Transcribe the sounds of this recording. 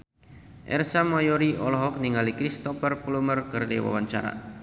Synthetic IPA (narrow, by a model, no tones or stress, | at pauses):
ʔɛ̰rsamajɔɾiʔɔlɔɦɔk̚niŋalikɾist̪ɔfərplumərkərdewa̰waɲt͡ʃa̰ɾa̰